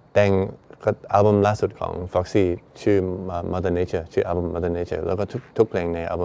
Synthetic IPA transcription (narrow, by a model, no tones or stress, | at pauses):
d̥ɛ̃nkətalˠbə̃mlasut̚kʰɔ̰̃ŋfɔksit͡ʃʰʉəmɔdənet͡ʃət͡ʃʰuʔalbə̃mːɔdənet͡ʃə̰lokətʰtʰʊk̚pʰlɛ̃ŋnɛ̃ʔa̰lbə̃